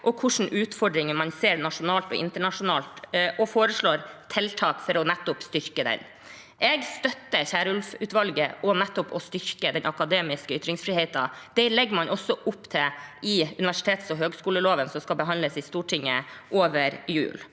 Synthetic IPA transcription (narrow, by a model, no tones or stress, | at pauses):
ʔɔkʰʊʂɳ̩ʔʉːt̪fɔɖɾɪŋəmɑnseːɾnɑʂʊnɑːlt̪ɔ̰ʔɪ̰nt̪əɳɑʂʊnɑːlt̪ʔɔfoːɾəʂɭoːɾt̪ʰɛlt̪ʰɑːkfɔɾɔnɛt̪ːʊpst̪ʏɾkəd̪ɛ̰n | ʔɛɡst̪œt̪ːəçæːɾəʉlfʉːt̪ʋɑlɡəʔɔnɛt̪ːʊpɔst̪ʏɾkəd̪ɛnʔɑkɑd̪eːmɪskəʏt̪ɾɪŋsfɾiːheɪt̪ɑd̪̥ɛlɛɡːmɑnʔɔsːɔʔʊpːt̪ʰɛɪʉnɪʋæʂɪt̪ʰeːt̪sɔɦøːɡskuːləloːʋənsɔmskɑlbəɦɑnləsɪst̪uːʈʰɪŋːəʔoːʋəɾjʉ̰ːl